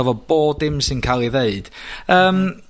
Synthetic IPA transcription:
ɔvɔb̥oːdɪmsɪnkʰalˠiðeɨd̥əːm

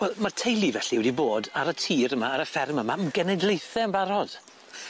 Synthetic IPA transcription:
wɛlˠmartʰejlˠivɛɬiwɛdiboːdaɾətʰiːɾəmaːɾəfɛrməmaəmɡɛnɛdlˠejθɛənbaɾɔd̥

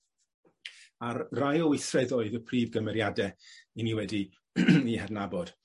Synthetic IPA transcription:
arrajɔwɪθrɛðoːɨðəpʰriːvɡəmɛɾjadɛiniwɛdi | ihɛdnabɔd̥

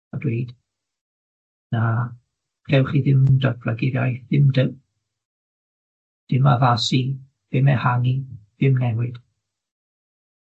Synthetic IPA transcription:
ɔdwejd̥ | na | kʰɛwχiðɪmdɔrflaɡɪɾjajðɪmdɪw | d̥ɪmavasi | vɪmɛhanivɪmnɛwɨd̥

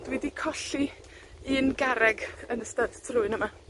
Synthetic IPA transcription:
d̥wɛdikʰɔɬi | inɡaɾɛɡənəstəd̥tʰrʊɨnəma

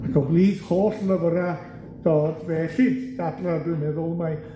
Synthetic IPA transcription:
atʰɔbliːɡ̥hoːɬləvəɾa | d̥oːdvɛːɬid̥adladwɪnɛðʊlˠmaj

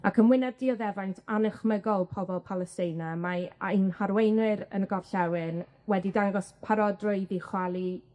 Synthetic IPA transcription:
akʰənwɪnadiːɔðɛvajntʰanəχməɡɔlˠpʰɔbɔlˠpʰalˠɛstɪjnamanhaɾwejnɪɾə̰nɡɔvɬɛwɪn | wɛdidaŋɡɔspʰaɾɔdroɨðiχwalˠi

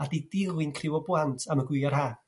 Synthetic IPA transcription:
adidɪlˠɨnkʰrɪwɔbwlˠantʰaməɡwɪarhaː

